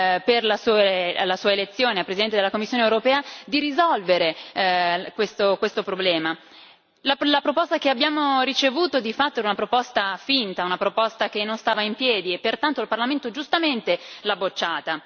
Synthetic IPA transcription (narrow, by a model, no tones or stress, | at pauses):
perlasuːelasuːaelet̪sːjoːneapɾezid̪ɛnt̪ed̪elːakomːisːjoːnewɾopɛːad̪iɾizɔlveɾe | kwest̪okwest̪opɾoblɛːma | lalapɾopost̪akeabːjaːmorit͡ʃevuːt̪od̪ifat̪ːoɛɾunapɾopɔst̪afint̪aunapɾopɔst̪ak̟enːonst̪aːvaimpjɛːd̪iepːert̪ant̪oilparlament̪od͡ʒust̪ament̪elabot͡ʃːaːt̪a